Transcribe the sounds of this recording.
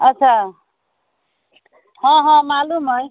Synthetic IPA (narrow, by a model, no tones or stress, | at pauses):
ʌt͡sʰa | hʌ̃ɦʌ̃malumʌj